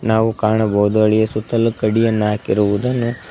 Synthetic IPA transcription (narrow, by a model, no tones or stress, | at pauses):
naːʋukaːɳɐbɐɦud̪uɐɭijesut̪ːɐlukɐɽijɐnːaːkiɾuʋud̪ɐnːu